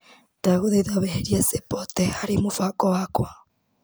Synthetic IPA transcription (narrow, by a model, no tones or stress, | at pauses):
taɣoðeiðaβeɦeɾiɛsepɔtɛhaɾimofakɔwakwa